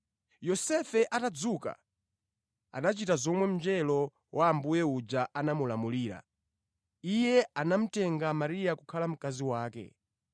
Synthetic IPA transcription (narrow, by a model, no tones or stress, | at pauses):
jɔsɛfɛʔatad͡zuka̰ | a̰nat͡ʃitazɔmwɛm̩d͡ʒɛlɔ | wʔaːmbujɛud͡ʒaʔanamulamuliːɾa̰ | ijɛanam̩tɛŋɡamaɾijakukʰalam̩kaziwaːkɛ̰